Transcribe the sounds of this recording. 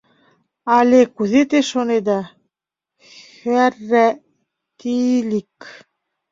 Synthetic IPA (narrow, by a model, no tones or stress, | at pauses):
ɑlekuðet̪eʃoned̪ɑ | xærːæ | t̪ilik